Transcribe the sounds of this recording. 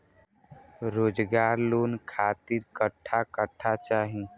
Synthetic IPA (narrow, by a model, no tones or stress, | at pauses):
ɾoːd͡ʒɡaɾlonkʰat̪iɾkəʈʰːakəʈʰːat͡ʃaɦĩ